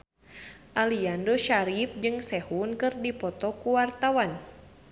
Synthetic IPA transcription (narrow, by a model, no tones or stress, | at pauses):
ʔaliandoʃaɾip̚d͡ʒɨŋsɛhunkɨrdipɔt̪ɔkuwart̪awan